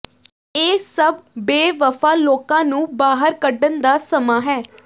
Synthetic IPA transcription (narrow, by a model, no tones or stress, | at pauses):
eːsəbbeːʋəfʰaːloːkãːnũːbaːɦəɾkəɖənd̪aːsəmaːɦɛː